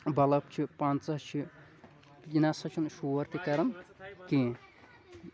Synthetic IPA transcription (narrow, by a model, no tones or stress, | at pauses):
bɐlɐp̚t͡ʃʰipant͡sɐɦt͡ʃʰi | jinasɐt͡ʃʰunʃuʋɐɾt̪ikɐɾɐnkĩː